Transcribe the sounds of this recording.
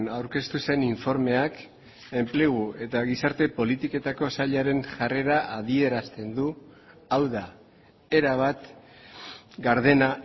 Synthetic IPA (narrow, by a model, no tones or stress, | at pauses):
nawɾke̞st̪use̞niɱfo̞ɾme̞ak | e̞mple̞ɣ̞ue̞t̪aɣisaɾt̪e̞po̞lit̪ike̞t̪ako̞saʎaɾe̞nʝare̞ɾaʔaðie̞ɾast̪e̞nd̪u | awða | e̞ɾaβat̪ | ɡaɾðe̞na